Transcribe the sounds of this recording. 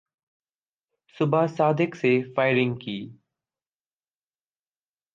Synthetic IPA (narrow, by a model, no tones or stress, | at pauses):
sʊbʱaːsaːd̪ɪkseːfaːɪɾɪ̃ŋɡkiː